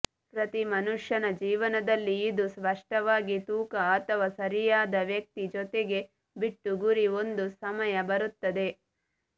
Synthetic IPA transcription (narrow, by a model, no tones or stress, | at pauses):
pɾɐt̪imɐnuʂjɐnɐd͡ʒiːʋɐnɐd̪ɐlːiːd̪usʋɐʂʈɐʋaːɡit̪uːkɐːt̪ʰɐʋaːsɐɾijaːd̪ɐʋjɐk̚t̪id͡ʒɔt̪eɡe̞ | biʈːuɡuɾio̞nd̪usɐmɐjɐbɐɾut̪ːɐd̪e̞